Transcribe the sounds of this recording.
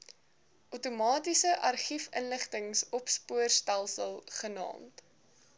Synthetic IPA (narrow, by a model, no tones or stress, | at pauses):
ʔutumɑːtisəʔɐrχifənləχtəŋsɔpspuərstælˠsəlˠχənɑ̰ːmt